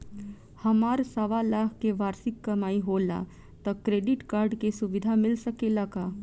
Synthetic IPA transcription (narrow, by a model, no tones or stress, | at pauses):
hɐmaːɾsɐʋalaːɦkeʋaːɾsɪkːɐmaːiɦoːla̰ː | t̪ɐkɾeːɖɪʈkaːɾɖkesʊʋɪd̪ʱamɪlsəkelakaː